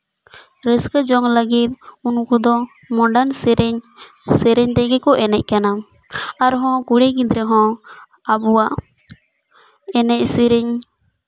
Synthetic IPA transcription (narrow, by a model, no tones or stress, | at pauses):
ɾəskəd͡ʒɔŋləɡit̪̚unkɔd̪ɔ | mɔ̃ɖansɾɛɲ | sɛɾɛɲt̪ɛɡɛkɔʔɛnɛc̚ˀkana | aɾɦɔ̃kuɽɛkid̪ɾɛɦɔ̃ | abuwaʔ | ɛnɛc̚siɾɛɲ